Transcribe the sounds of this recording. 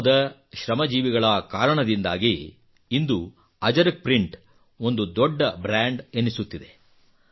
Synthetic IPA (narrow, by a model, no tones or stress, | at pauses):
d̪ɐʃɾɐmɐd͡ʒiːʋiɡɐɭɐkaːɾɐɳɐd̪ind̪a̰ːɡiː | nd̪u | ɐd͡ʒɐɾɐk̚pɾiɳʈ | o̞nd̪ud̪ɔɖːɐbɾaːɳɖenːisut̪ːid̪e